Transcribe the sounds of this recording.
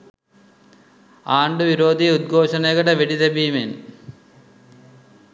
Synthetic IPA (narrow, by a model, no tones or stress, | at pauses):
aːɳɖɯʋiɾoːd̪iut̪̚ɡʱoːʂɐneɣɐɽɐʋeɽiðɐbiːmen